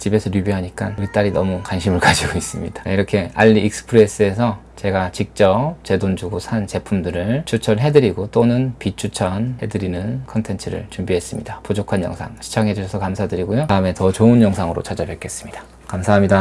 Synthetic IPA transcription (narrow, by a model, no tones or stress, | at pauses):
t͡ɕibe̞sʰʌɾjubiɦaɲik͈anuɾit͈aɾinʌmukanɕʰimɯɭkad͡ʑiɡois͈ɯmɲḭd̥ḁaiɾʌkʰe̞aʎːiːk̚sɯ̥pʰɯɾe̞s͈ɯe̞sʰʌt͡ɕe̞ɡat͡ɕik̚t͡ɕ͈ʌp̚t͡ɕe̞dond͡ʑuɡosʰant͡ɕe̞pʰumdɯɾɯɭt͡ɕʰut͡ɕʰʌɦe̞dɯɾiɡot͈onɯnpit͡ɕʰut͡ɕʰʌnhe̞dɯɾinɯnkʰʌntʰe̞ntʰɯɾɯ̰ɭt͡ɕumbiɦe̞s͈ɯmɲḭdapod͡ʑokʰanjʌ̰ŋsʰa̰ŋɕʰi̥t͡ɕʰaŋɦe̞d͡ʑuɕʰʌsʰʌkamsʰadɯɾiɡojoaɯme̞tʌt͡ɕoɯnjʌŋsʰaŋɯɾo̰t͡ɕʰad͡ʑabjeɭk͈e̞s͈ɯ̥mɲid̥ḁ | kamsʰaɦamɲida